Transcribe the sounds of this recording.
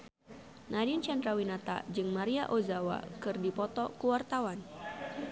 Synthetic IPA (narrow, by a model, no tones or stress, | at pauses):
nadint͡ʃandɾawinat̪a̰d͡ʒɨŋmaɾiaʔozawa̰kɨrdipɔt̪ɔkuwart̪awan